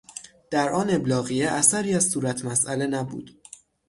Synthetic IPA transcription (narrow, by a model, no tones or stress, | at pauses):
d̪̥æɾʔɒːne̞blɒːɣijeʔæsæɾiːæzsuːɾæt̪ʰmæsʔæle̞næbṵːd̪̥